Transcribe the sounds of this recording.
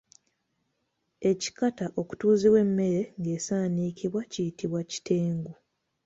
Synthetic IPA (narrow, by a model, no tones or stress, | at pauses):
e̞ci̥kataʔo̞ku̥tuːziβwe̞mːe̞ɾe̞ŋɡe̞ːsaːniːciβwacijitiβwaci̥tʰe̞ːŋɡu